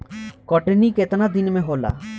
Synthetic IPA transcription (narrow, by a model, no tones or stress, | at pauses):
kɔʈeniket̪anad̪inmeɦola̰